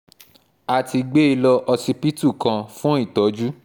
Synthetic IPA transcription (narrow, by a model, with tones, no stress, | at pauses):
a˨ti˧ɡ͡be˦i˧lɔ˧ʔɔ˧si˧pi˦tu˦˨kã˧fũ˦i˦˨tɔ˨˦d͡ʒu˦